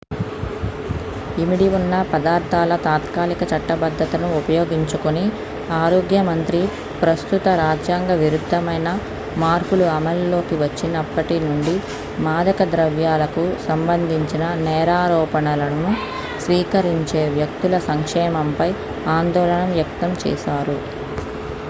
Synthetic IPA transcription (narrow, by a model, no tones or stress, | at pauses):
imiɽiʋunːɐpɐd̪aːɾt̪ʰaːlɐt̪aːt̪kaːlikɐt͡ʃɐʈːɐbɐd̪ʱːɐt̪ɐnuːpɐjoːɡiɲt͡ʃukuni | aːɾoːɡjɐmɐnt̪ɾi | pɾɐst̪ut̪ɐɾaːd͡ʒjaːŋɡɐʋiɾud̪ʱːɐmɐjnɐ | maːɾpuluɐmɐlːo̞ːkiʋɐt͡ʃːinɐpːɐʈinuɳɖi | maːd̪ɐkɐd̪ɾɐʋjaːlɐkusɐmbɐnd̪ʱiɲt͡ʃinɐnɛːɾaːɾɔːpɐɳɐlɐnu | sʋiːkɐɾiɲt͡ʃe̞ːʋjɐk̚t̪ulɐsɐŋkʂɛːmɐmpɐj | aːnd̪ɔːlɐɳɐmʋjɐk̚t̪ɐmt͡ʃɛ̰ːʃaːɾu